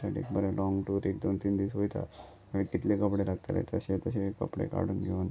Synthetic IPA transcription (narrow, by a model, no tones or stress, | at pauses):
saʈḭkbəɾelɔŋɡʈuːɾekd̪ont̪iːnd̪iʋsɦojt̪a̰ | əɽit̪it̪lekəpɽelaɡ̚t̪aɾḛt̪əɕet̪əɕekːəpɽḛka̰ɽ̤uːnɡʱen